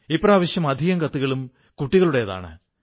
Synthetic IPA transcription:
ipːɐraːʋɐɕjɐmɐd̪ʱiɣɐŋkɐt̪ːuɣɐɭum | kuʈːiɣɐɭuɽe̞jɐða̰ːɳɨ̰

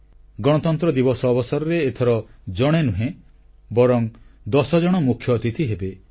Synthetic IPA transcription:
ɡɔɽ̃ɔt̪ɔnt̪ɾɔd̪ibɔsɔːbɔsɔɾɔɾeːt̪ʰɔɾɔd͡ʒɔɽ̃enuɦẽ | bɔɾɔŋd̪ɔsɔd͡ʒɔɽ̃ɔmukʰːjɔːt̪it̪ʰiɦebe

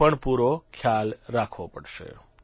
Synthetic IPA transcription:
əɳpuɾokʰjalɾakʰʋopəɽʃḛ

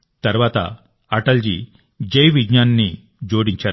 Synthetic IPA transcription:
t̪ɐɾʋaːt̪ɐ̰ | ɐʈɐld͡ʒi | d͡ʒɐjʋiɡɲaːnnːi | d͡ʒo̞ːɽiɲt͡ʃaːɾu

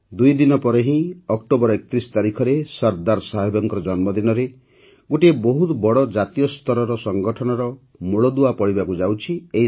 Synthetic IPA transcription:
d̪ujd̪inɔpɔɾeɦĩɔk̚ʈobɔɾɔekt̪ɾisɔ̥t̪aɾikʰɔɾesɔɾd̪aɾsaɦebɔŋkɔɾɔd͡ʒɔnmɔd̪inɔɾe | ɡoʈiebɔɦut̪bɔɽɔd͡ʒat̪ijɔst̪ʰɔɾɔɾɔsɔŋɡɔʈʰɔnɔɾɔ | muɭɔd̪uapɔɽibakud͡ʒawt͡ʃʰiei

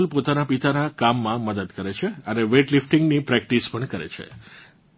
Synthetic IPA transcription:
lpot̪anapit̪anakamːãməd̪əd̪kəɾet͡ʃʰeəneʋeʈlifʈiŋɡnipɾɛk̚ʈispəɳkəɾḛt͡ʃʰḛ

